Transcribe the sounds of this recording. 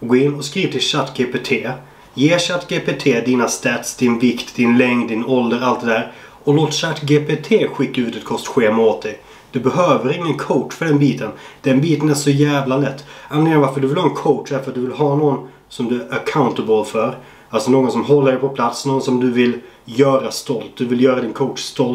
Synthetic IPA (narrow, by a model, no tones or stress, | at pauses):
ɡoɪnːɔskɾiːvət̪ʰɪlɕat̪ːɡeːpet̪ʰeː | jeːɕat̪ːɡeːpet̪ʰeːd̪iːnast̪ɛt̪sd̪ɪnvɪkt̪d̪ɪnlɛŋd̪ɪnɔld̪əɾalt̪̚d̪ɛd̪æːɾ | ɔloːt̪ɕat̪ːɡeːpʰet̪ʰeːɧɪkːaʉ̟ːt̪ɛt̪̚kʰɔst̪ɧeːmot̪̚d̪ɛj | d̪̥ɵbɛɦøːvəɾɪŋːənkʰoʊʈfœɖɛnbiːt̪ʰənd̪̥ɛnbiːt̪ənæʂɔjæːvlalɛt̪ːanlɪŋənvaɾfəɖɵvɪlhɑːɛnkʰoʊʈʂd̪æɾfəɾat̪̚d̪ɵvɪlɦɑːnoːɡn | sɔmd̪ɵəkʰaʊnt̪əbəlfœɾ | alsɔnoːɡɔnsɔmɦɔlːəɖɛɪpʰɔpʰlat̪snoːɡɔnsɔmd̪ɵvɪl | jœːɾast̪ɔlt̪̚d̪ɵvɪljœːɾad̪ɪnkʰɔʊʈst̪ɔl